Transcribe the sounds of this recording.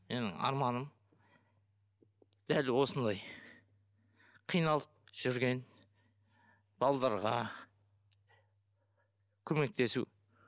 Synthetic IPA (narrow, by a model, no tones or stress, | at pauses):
me̞nɪ̰ŋɑ̰ɾmɑnəm | d̪̥ælwo̞sənd̪ɑj | qʰijnɑlˠəp̚ʒ̥ʏɾɡʲe̞n | b̥ɑlˠd̪ɑɾʁɑ | kʲʰɵme̞k̚t̪e̞sṵ